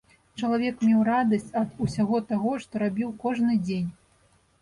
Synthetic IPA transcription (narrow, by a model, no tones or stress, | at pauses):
t͡ʂɐlˠavʲɛkmʲɛwɾad̪ɐsʲt͡sʲɐd̪usʲaɣɔt̪aɣɔʂt̪ɔɾabʲiwkɔʐnɨd͡zʲenʲ